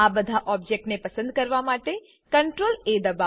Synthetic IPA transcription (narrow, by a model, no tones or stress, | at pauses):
abəd̪ʱaʔɔb̚d͡ʒek̚ʈnepəsə̃nd̪̚kəɾʋamaʈe | kəɳʈɾoled̪əba